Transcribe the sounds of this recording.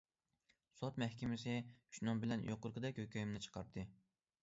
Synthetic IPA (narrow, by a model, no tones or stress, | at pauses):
sot̪mɛhkʲɪmɪsɪ̥ʃnɨŋbɪlɛnjoqʊɾqɨd̪ɛkʲhøkʲʰøjimnɪt͡ʃʰə̥qʰɑɾd̪ɨ